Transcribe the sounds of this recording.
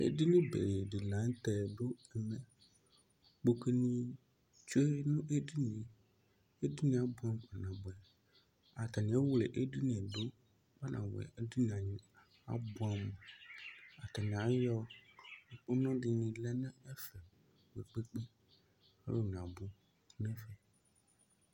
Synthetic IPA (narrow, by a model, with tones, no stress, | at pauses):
ḛ˦di˦nĩ˦bḛ˨je˨ɖi˨la˨˦ŋ˦t̪ɛ˨ɖo˦e˨mẽ˨ | k͡po˨ke˦nĩ˦ | t͡ʃo˦e˦nũ˦ʔe˦di˦nĩ˨ | e˦di˦nĩ˨˦a˨bu˦a˦m˦k͡pa˨nã˨bu˨ɛ˨ | a˨t̪a˨nĩ˨˦e˦wle˨ʔe˦ɖi˦nɛ̃˨ɖo˦ | ba˦nʔã̰˨wɛ̰˨e˦di˦n˨ã˨ɲĩ˨ | a̰˨bu˦a˨me˨ | a˨t̪a˨ñ˨a˨˦jɔ˦˨ | k͡po˦nɔ̃˦ɖi˨nĩ˨lɛ˦nɛ̃˦e˦fɛ˨ | k͡pe˨k͡pe˦k͡pe˦ | e˦lo˦nã˨bu˦ | nɛ̃˦fɛ˨